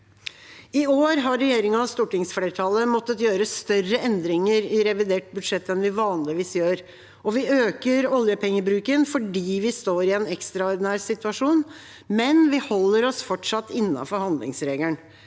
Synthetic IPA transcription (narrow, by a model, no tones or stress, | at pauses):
ɪoːɾɦɑɾːɛjeːɾɪŋəɑst̪uːʈɪŋsfleːɾʈ̪ʰɑlːəmɔt̪ːət̪jøːɾəst̪œrəʔɛnd̪ɾɪŋəɾɪɾɛʋɪd̪eːʈ̚bʉd̪ʂɛt̪ːɛnʋɪʋɑːnlɪʋiːsjøːɾ | ɔʋɪøːkəɾɔljəpʰɛŋːəbɾʉːkənfɔɖiːʋɪst̪oːɾɪɛːnɛkst̪ɾɑɔɾɖ̪ɪnæːɾsɪt̪ʉɑʂuːn | mɛnʋɪhɔlːəɾɔsfɔʈʂɑt̪ːɪnːɑ̰fɔɾhɑnd̪lɪ̰ŋsɾeːɡ̪əɳ